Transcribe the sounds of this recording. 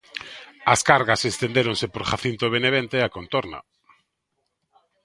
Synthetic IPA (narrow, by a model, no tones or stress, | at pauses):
askaɾɣasest̪ẽnd̪eɾonsepoɾχaθint̪oβ̞eneβ̞ent̪eakont̪oɾna̰